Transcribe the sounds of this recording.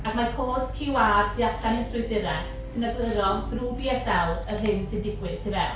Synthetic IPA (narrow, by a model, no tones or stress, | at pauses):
aɡ̥makʰoːd̥skʰɪwaːrtʰiatʰanɛsʊðɪɾɛ | sɨnəbləɾɔnd̥ruːbiːɛsɛlˠərɦɨnsɨndɪɡwɪð̥tʰivɛ